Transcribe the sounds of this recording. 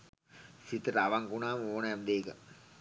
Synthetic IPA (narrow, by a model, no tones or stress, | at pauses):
sit̪əɾaʋaŋkunaːməoːnəɛmd̪eːkə̰